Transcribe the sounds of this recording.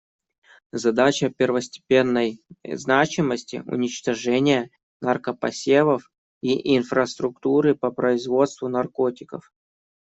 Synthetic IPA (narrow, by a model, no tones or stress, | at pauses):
zɐd̪at͡ɕəpʲɪrvəsʲtʲɪ̥pʲe̞nːəjznat͡ɕɪməsʲtʲɪ̰ʊ̰nʲɪt͡ɕt̪ɐʐɛnʲɪjə | nɐrkəpɐ̰sʲevəf | iʔɪnfɾəst̪ɾʊkt̪uɾɨpəpɾəɪzvo̞t̪st̪vʊnɐrkotʲɪkəf